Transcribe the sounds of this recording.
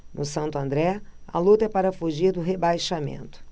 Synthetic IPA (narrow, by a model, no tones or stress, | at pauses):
nʊsɐ̃nt̪ʊɐ̃nd̪ɾɛɐ̰lut̪ɐɛpaɾɐfuʒiɾd̪ʊɦebajʃamḛ̃nt̪ʊ̥